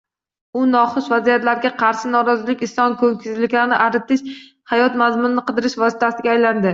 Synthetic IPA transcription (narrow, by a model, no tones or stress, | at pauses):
ʊnɒχʊsvazijat̪laɾɡʲaqʰɑɾʃɪnɒɾɒzɪlɪkʲɪslˠɒnkʰɵŋkʲʰɪzlɪkʲlaɾnɪʔaɾɪt̪ʰɪʃ | hajɒt̪mazmʊnɪnɪqʰɨd̪ɪɾɪʃvɒsɪ̥t̪ʰasɪɡʲaːjland̪ɪ